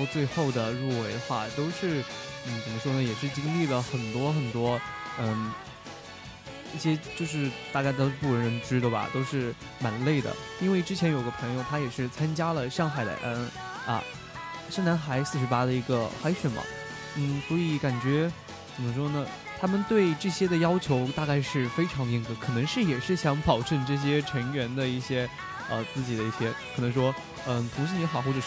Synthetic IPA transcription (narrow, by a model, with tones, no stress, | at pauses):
t͡swe˥˧ɪxo˥˩ʊd̪ə˩ɻu˥˩we˧˥ɪd̪ə˧xwa̰˥˩t̪o˥ʊʂɻ̩˥˩n̩˥˩t͡sə˨˩mə˦ʂwɔ˥nə˨jɛ˨˩ʂɻ̩˥˩t͡ɕi˥ŋli˥˩lə˩xə˨˩nt̪wɔ˥xə˨˩nt̪wɔ˥ə˥˩ | i˥˩ɕjɛ˥t͡ɕjo˥˧ʊʂ̬ɻ̩˥˧t̪a˥˧kɪt̪o˥ʊʂ̩˥˧pu˥˩ɻə˧˥ɻə˧˥nʈ͡ʂɻ̩˥d̪ə˩bɐ̰˩t̪o˥ʊʂɻ̩˥˩ | ma˨˩nle˥˩ɪd̪ə̰˩ | i˥nwe˥˩ɪʈ͡ʂɻ̩˥t͡ɕʰjɛ˧˥njo˨˩ʊ˩ɡə˧pʰɤ˧˥ŋjo˧ʊt̪ʰa˥jɛ˨˩ʂɻ̩˥˩t͡sʰa˥nt͡ɕja˥lə˨ʂɑ˥˩ŋxa˨˩ɪd̪ə̰˧˩ʔa̰˧˥n | ɐ̰˧ | ʂa˥˩na˧˥nxa˧˥ɪsɹ̩˥˩ʂɻ̩˧˥pa˥d̪ə˨i˧˥ɡə˧xa˧˥ɪɕɛ˨˩nmɐ̰˨˩ | n̩˥˩swɔ˧˥i˧˥ka˨˩nt͡ɕɥɛ˧˥ | t͡sə˨˩mə˦ʂwɔ˥nə˨ | t̪ʰa˥mə˨nt̪we˥˩˧ɪʈ͡ʂɤ˥˩ɕjɛ˥d̪ə˨jɑ˥ʊt͡ɕʰjo˧˥ʊt̪a˥˧ka˥˧ɪʂɻ̩˥˩fe˥ɪʈ͡ʂʰɑ˧˥ŋd̪ə˧˩i˧˥ŋt͡sə˥˩˥kʰɤ˨˩nɤ˧˥ŋʂɻ̩˥˩jɛ˨˩ʂɻ̩˥˩ɕjɑ˧˥ŋpɑ˨˩ʊʈ͡ʂɤ˥˧ŋʈ͡ʂɤ˥˩ɕ̬jɛ˥ʈ͡ʂʰɤ˧˥ŋɥɛ˧˥nd̪ə˧i˥˩ɕjɛ˥ | ə˧t͡sɹ̩˥˩t͡ɕi˨˩d̪ə˦i˥˩ɕjɛ˥kʰnɤ˧˥ŋʂwɔ˥ | ə˧˩t̪ʰʊ˧˥ŋʂɻ̩˥˩ni˧˥xɑ˨˩ʊxwʈ͡ʂɤ˨˩